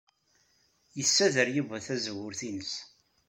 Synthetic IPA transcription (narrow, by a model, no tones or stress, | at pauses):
jəsːæðəɾjəvæθæzəwːʊɾθinəs